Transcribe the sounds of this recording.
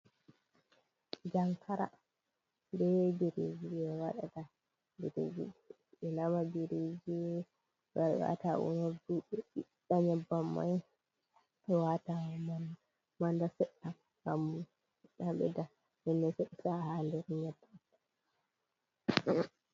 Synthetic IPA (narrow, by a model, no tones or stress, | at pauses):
d͡ʒaŋkʰaɾa̰ | ndɛbiɾed͡ʒiɛwaɗata | biɾḛd͡ʒḭɛ | ɓɛnamabiɾed͡ʒi | waɾwa̰taʔṵnɔduɗɛiɗaɲɛbːamːa̰j | ɛwatam | mandasɛɗːam | hamːu | ɗaɓɛ̰da | mɛnːɛsɛɗsahandɛɾɲɛbːa